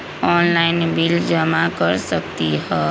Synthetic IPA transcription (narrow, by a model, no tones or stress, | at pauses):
ɔnlaɪnbild͡ʒəmakəɾsək̚t̪iɦɔ